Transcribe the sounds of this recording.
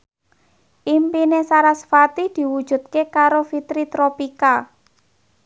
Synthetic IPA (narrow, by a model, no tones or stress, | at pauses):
ʔimpinesaɾasfat̪id̪̥i̤wud̥ʒ̥ṳt̪̚kekaɾofit̪ɾit̪ɾopika